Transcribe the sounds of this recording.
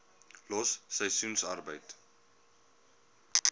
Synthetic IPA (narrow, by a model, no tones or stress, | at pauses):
lɔsːəjsunsarbəjt